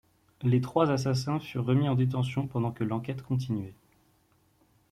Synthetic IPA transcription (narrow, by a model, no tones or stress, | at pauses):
let̪χwazas̬asɛ̃fyʁːəmiɑ̃d̪et̪̬ɑ̃sjɔ̃pɑ̃d̪ɑ̃kəlɑ̃kʲɛt̪kɔ̃t̪̬inɥɛ